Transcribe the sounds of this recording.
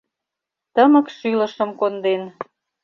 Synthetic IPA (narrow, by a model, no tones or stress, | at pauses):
t̪əmə̆kʃylə̆ʃə̆mkond̪en